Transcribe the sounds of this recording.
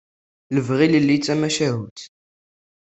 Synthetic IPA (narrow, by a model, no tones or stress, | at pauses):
ləvʁiləlːit͡sːæmæʃæɦut̪